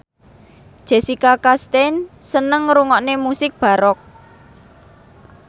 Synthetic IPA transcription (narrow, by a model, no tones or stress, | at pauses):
ʒ̥e̤sikakast̪ensənəŋɾuŋɔʔnemusɪk̚b̥ä̤ɾɔk̚